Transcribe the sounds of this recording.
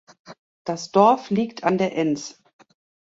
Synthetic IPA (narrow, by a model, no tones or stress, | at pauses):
d̥asd̥ɔɐfliːktʰandeːɐʔɛns